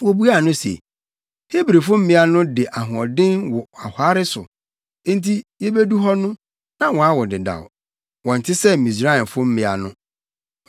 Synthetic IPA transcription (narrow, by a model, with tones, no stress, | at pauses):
wo˨bu˦a˦˨nʊ̃˦sḛ˨ | he˦bɾe˨fʊ˦m̩˦mɪ̃˦a˦nʊ̃˦dɪ˨ʔa˨ɦʊ̃˨ɔ˨dɪ̃˦nwɔ˨a˨ha˦ɾɪ˦sʊ̰˨˦ | n̩˦tʰi˦jɛ˦be˦du˦ɦɔ˦nʊ̃˦ | nã˦wɔ̃˨a˦wɔ˨dɪ˨da̰˨w̰ | wɔ̃˨n̩˨tʰɪ˦sɛ˦˨mĩ˨sɾa˦˨i˨nfʊ˦m̩˦mɪ̃˨a̰˨nʊ̃˦